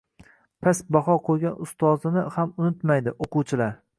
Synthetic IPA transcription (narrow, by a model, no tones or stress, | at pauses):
pʰasbaɦɒqʰojɡʲanʊst̪ʰɒzɪnɪhamʊnɪt̪majd̪ɪʔoqʊwt͡ʃʰɪlaɾ